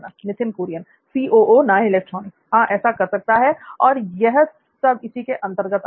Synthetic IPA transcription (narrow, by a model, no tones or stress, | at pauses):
nanɪt̪ʰɪnkuːɾijən | siːʔoːʔonaɪleːk̚ʈɾoːnɪkɦãʔɛːsakɐɾsɐk̚t̪aɦɛɔːɾjɛɦ | sɐbɪsikeʔɐ̃nt̪əɾɡət̪